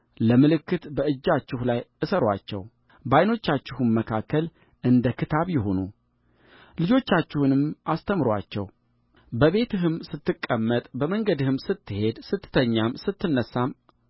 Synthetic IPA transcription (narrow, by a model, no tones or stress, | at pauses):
ləmɨlɨkːɨt̪bəɨd͡ʒːat͡ʃːɪhlajɨsəɾwa̰t͡ʃːɛ̰w | bajno̞t͡ʃːat͡ʃːɪhɨmːəkʰakʰːəl | ʔɨnd̪əkʰɨt̪ʰaβjɪho̞nṵ | lɨd͡ʒo̞t͡ʃːat͡ʃːɪhunɨmʔast̪ʰəmɨɾwa̰t͡ʃːɛ̰w | bəβe̞t̪ɨɦɨmsɨt̪ːɨkʼːəmːət̪ʼbəməŋɡəd̪ɨhɨmsɨt̪ʰːɨhe̞d̪sɨt̪ːɨ̥t̪ʰəɲːamsɨt̪ːɨnːəsːam